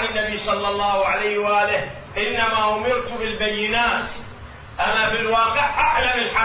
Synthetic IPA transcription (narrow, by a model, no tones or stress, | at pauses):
ɪnːabisˤɑlːɑlˤːɑːhʕalajhwʔaːlɪh | ʔɪnːamaʔʊmɪɾt̪bɪlbajːɪnaːt̪ | ʔanafɪlwɑːqɪʕʔaʕlamɪlħa